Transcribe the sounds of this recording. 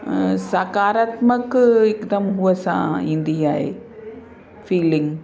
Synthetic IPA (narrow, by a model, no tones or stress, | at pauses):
saːkaːɾaːt̪mɐkːikt̪ɐmɦʊʋɐsã̰ːɪnd̪ijaːj | fiːliŋɡ